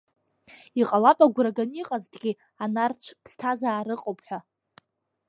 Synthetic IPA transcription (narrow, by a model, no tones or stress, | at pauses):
iqʼalapʼaɡʷraɡaniqʼazdɡʲi | anart͡ɕʷʰpʰstʰazaːɾɨqʼowpʰʼħʷᶣa